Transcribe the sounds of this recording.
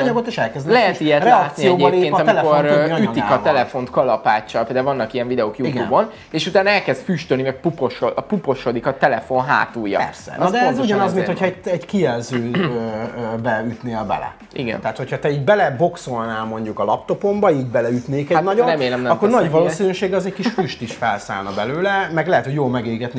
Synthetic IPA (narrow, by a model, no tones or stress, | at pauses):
ɒɲɒɡot̪eʃɛlkɛzd̪lɛɦɛt̪ijɛtrlɛːt̪sijɛoːɟeleeːɒmilkoryikɒt̪ɛlɛfo̞nt̪kɒlɒpaːt͡ʃːɒpɛd̪ɛvɒnːɒkijɛɱvid̪ɛoːkjuitɡ̪uːbo̞n | eːʃut̪aːnɛlkɛzt̪fyːʃt̪ønimɛk̚pupo̞ʃoɒpupo̞ʃod̪ikɒt̪ɛlɛfo̞nɦa̰ːt̪uːjːɒ̰ɛɾsɛ̰nd̪ɛɛzuɟɒnɒzminhochɛɛɟkiɛlzøːøbɛyt̪neːlbɛ̰lɛ̰ | ḭɡɛ̰nt̪aːt̪ho̞cʰhɒt̪ɛiːɟbɛlɛbo̞kso̞lnaːlmo̞ɲɟukɒlɒpt̪o̞po̞mbɒiːɟbɛlɛyt̪neːkɛanɒɟorɾɛmeːlɛmnɛɒkːoɾnɒɟvɒloːsinøːʃeːɡɒzɛckiʃfyʃt̪iʃfɛlsa̰ːlnɒbɛløːlɛmɛɡlɛɦɛt̪hoɟjoːlmɛɡeːɡɛt̪ni